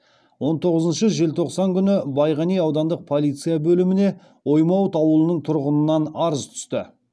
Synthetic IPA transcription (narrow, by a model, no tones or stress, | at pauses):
wo̞nt̪ʰo̞ʁəzənʃəʒe̞lt̪ʰo̞qsɑŋkʲʰʏnɪbɑjʁɑnijɑwd̪ɑnd̪əq̚pʰo̞lˠijt̪sɨijabɵlɪmɪne̞ | wo̞jmɑwt̪ɑwəlˠənəɴt̪ʰʊɾʁənənːɑnɑɾəzt̪ʰʏ̥st̪ɪ̰